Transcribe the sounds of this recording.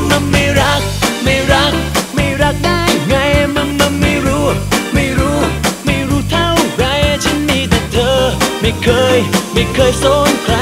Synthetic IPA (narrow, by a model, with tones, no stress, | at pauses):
ma˧ma˧˩jɾa˦˥k̚ma˧˩jɾa˦˥k̚ma˧˩jɾa˦˧˥k̚ɗaː˧˩jŋa˧jma˧ŋma˧nma˧˩jɾu˧˥ma˧˩jɾu˧˥ma˧˩jɾuː˧˥t̪ʰa˧wɡa˨˧˩jt͡ɕʰa˧˥nmi˧t̪ʰi˨˧˩t̚t̪ʰːəː˧ma˧˩jkʰəː˧jma˧˩jkʰəː˧jso˧˥nkʰɾa˧